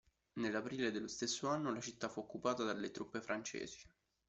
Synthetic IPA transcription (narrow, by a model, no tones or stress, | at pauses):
nelːapɾiːled̪elːost̪esːoanːolat͡ʃit̪ːafuokːupaːt̪ad̪alːet̪ɾupːefɾant͡ʃḛːzi̥